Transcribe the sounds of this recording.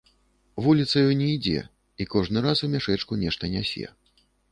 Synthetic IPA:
vulʲit̪sɐjɔjnʲɛid͡zʲɛ̰ | ikɔʐnɨɾasumʲaʂɛt͡ʂkunʲɛʂt̪ɐnʲasʲɛ̰

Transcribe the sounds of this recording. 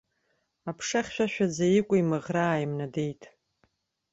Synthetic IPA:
apʰʂaχʲʃᶣaʃᶣad͡zajɪkʷʼʊimɨʁraːjimnade̞jtʼ

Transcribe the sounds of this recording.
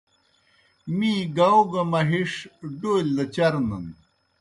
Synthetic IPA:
mĩɡawɡɐmɐɦiʂɖoːld̪ɐt͡ɕɐɾnɐn

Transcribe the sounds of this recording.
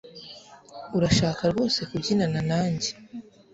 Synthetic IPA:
uɾaʃaːkaɾɡo̞ːse̞kubɟinananaːɲɟe

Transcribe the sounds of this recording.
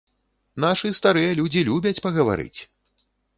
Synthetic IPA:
naʂɨst̪aɾɨjɐlʲud͡zʲilʲubʲɐt͡sʲpɐɣɐva̰ɾɨ̰t͡sʲ

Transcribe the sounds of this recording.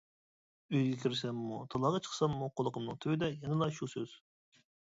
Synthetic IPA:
øjɡʲɛkʲʰiɾɪsɛmːut̪ʰɑlˠɑʁɑt͡ʃʰə̥qsɑmːuqʰolˠəqʰəmnɨŋt̪ʰøwɪd̪ɛjɛnɨlˠɑʃusøz̥

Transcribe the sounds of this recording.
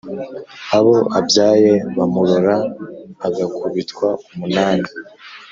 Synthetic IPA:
aβo̞ʔabjaːje̞βamuɾoɾaː | ɡakʰuβitkwaumunaːni

